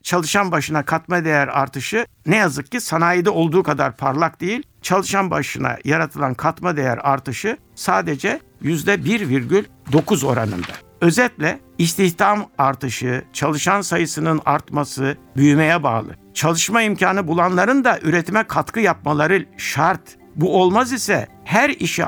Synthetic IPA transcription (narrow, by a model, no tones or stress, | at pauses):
t͡ʃʰalˠɯʃanbaʃɯnakʰat̪mad̪e̞jæɾa̰ɾt̪ʰɯʃɯ | nɛjazɯk̚cisanaːjɯd̪aolˠd̪uːkʰad̪aɾpʰaɾlˠak̚d̪ejilʲ | t͡ʃʰalˠɯʃanbaʃɯna̰jaɾat̪ʰɯlˠankʰat̪mad̪e̞jæ̰ɾaɾt̪ɯʃɯ | saːd̪ed͡ʒɛ | jyzd̪ɛbiɾviɾɟylʲ | d̪o̞kuzo̞ɾanɯ̰nd̪a | ø̞zɛt̪lʲɛ | ist̪ʰiçt̪amaɾt̪ɯʃɯt͡ʃʰalˠɯʃansajɯsɯnɯna̰ɾt̪masɯbyjymejɛba̰ːlˠɯ̰ | t͡ʃʰalˠɯʃmaimcʰaːnɯbulˠanlˠaɾɯnd̪aʔyɾet̪ʰimɛkʰat̪kɯjap̚malˠaɾɯʃaɾt̪ | buo̞lˠmazisɛ̰ | hæɾiʃi